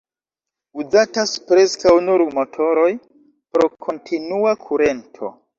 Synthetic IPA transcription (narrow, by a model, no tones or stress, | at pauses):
uzataspɾe̞skawnuɾmo̞tʰo̞ɾo̞j | pɾokʰo̞ntʰinuakʰuɾe̞ntʰo̞̰